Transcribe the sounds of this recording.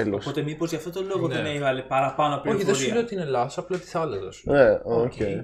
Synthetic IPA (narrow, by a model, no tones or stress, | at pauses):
elosot̪emipozʝɐft̪ot̪oloɣoðneneivɐlepɐɾɐpɐnoɐpoçiðesumenot̪iinelɐsɐplɐt̪i̥θɐlɐzɐsuneoce